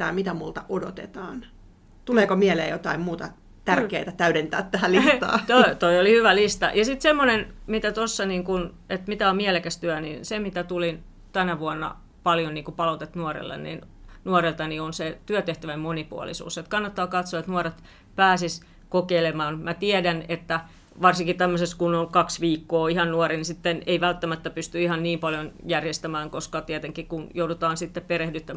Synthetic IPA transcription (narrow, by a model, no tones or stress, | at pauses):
æ̰ːmit̪æmult̪ɑʔodo̰t̪ḛt̪ɑːn | t̪uleːkomielḛːjot̪ɑimmuːt̪ɑ | t̪ærkḛːt̪æt̪æyɾent̪æ̰ːt̪t̪æhælisɑ̰ːt̪oit̪oiolihyʋælist̪ɑ̰jɑsit̪semːonenmit̪æt̪osːɑniːŋkun | et̪mit̪æommielekæst̪yænḭnsemit̪æt̪ulin | t̪ænæʋuɑnːɑ̰ | pɑljonniːŋkupɑlot̪et̪nuɑrḛlːḛnnḭnnuɑrelt̪ɑnionset̪yøt̪eht̪æʋæmmonipṵɑ̰lḭsṵːset̪kɑnːɑt̪ːɑːkɑt̪soet̪nuɑret̪ | pæːsis | kokeilemɑːnmæt̪iædænet̪ːæ | ʋɑrsiŋkit̪æmːøseskunoŋkɑksʋiːkːoːihɑnnuɑrinisit̪ːeneiʋælt̪ːæmæt̪ːæpyst̪yihɑnniːmpɑljonjærjest̪æmæːŋkoskɑt̪iɛt̪eŋkikunjoudut̪ɑːnsit̪ːeppeɾehdyt̪ːæm